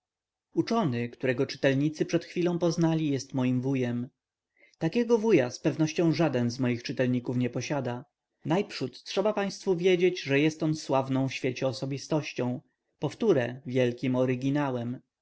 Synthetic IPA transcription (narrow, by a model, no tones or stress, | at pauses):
ut͡ʂɔnɘkt̪uɾɛɡɔt͡ʂɘ̥t̪ɛlɲit̪sɘpʂɛt̪xfʲilɔ̃w̃pɔznalʲijɛst̪mɔjimvujɛm | t̪akʲɛɡɔvujaspɛvnɔɕt͡ɕɔ̃w̃ʐad̪ɛnzmɔjixt͡ʂɘt̪ɛlɲikufɲɛpɔɕad̪a | najpʂut̪tʂɛbapaj̃st̪fuvʲjed͡ʑed͡ʑʐɛjɛst̪ɔnswavnɔ̃w̃fɕfʲet͡ɕɛɔsɔbʲist̪ɔɕt͡ɕɔ̃w̃ | pɔft̪uɾɛvʲjɛlkʲimɔɾɘɡʲinawɛm